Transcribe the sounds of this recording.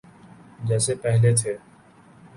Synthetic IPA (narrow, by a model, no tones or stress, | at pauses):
d͡ʒɛːsepɛɦlet̪ʰeː